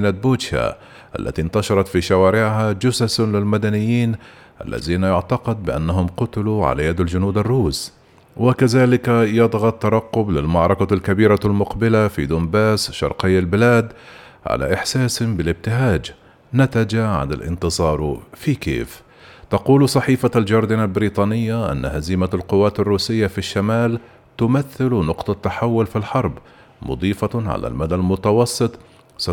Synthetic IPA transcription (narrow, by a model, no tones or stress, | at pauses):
nat̪̚boːt̪a̰ | ʔa̰lːa̰t̪int̪ɑʃɑɾˤɑt̪fiʃawaːɾɪʕɦad͡ʒʊsaslɪlmad̪anɪjːiːn | ʔa̰lːa̰ðiːnajʊʕt̪ɑqɪd̪̚bɪʔa̰nːaɦʊmqʊt̪ɪluʕa̰lajad̪ald͡ʒʊnuːd̪arːuːs | wɪkaðaːlɪkajɑd̪ˤɣɑt̪ːɑɾˤɑqːʊblɪlmɑʕɾˤɑkalkabiːɾalmʊqbɪlafḭd̪ʊmbaːsʃɑ̰ɾˤqɪjːalbɪlaːd̪ | ʕa̰lʔa̰ʔɪħsaːshɪmbɪlɪb̚t̪ɪɦaːd͡ʒ | nat̪ad͡ʒaʕa̰nɪ̰lʔɪ̰nt̪ɨzˤɑːɾˤfikḛːf | t̪ɑquːlsˤɑħiːfald͡ʒɑɾˤd̪ɪnalbɪɾiːt̪ˤɑːnɪjːaʔa̰nːahaziːmalqʊwːaːt̪arːuːsɪjːafiʃːamaːl | t̪ʊmaθːɪlnʊqt̪ˤɑt̪ːaħawːʊlfilħɑɾˤb | mʊ̰d̪ˤiːfɑʕa̰la̰lmad̪almʊt̪ɑwɑsˤːɨt̪ˤ | s